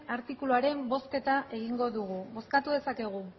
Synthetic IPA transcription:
aɾt̪ikuluaɾe̞mbo̞ske̞t̪aʔe̞ɣ̞iŋɡo̞ðuɣ̞uβo̞skat̪uðe̞sake̞ɣ̞u

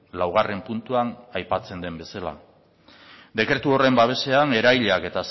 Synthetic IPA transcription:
lawɣ̞are̞mpunt̪uanajpat͡se̞nd̪e̞mbe̞sala̰ | d̪e̞kɾe̞t̪uo̞re̞mbaβ̞e̞se̞ane̞ɾajʎake̞t̪as

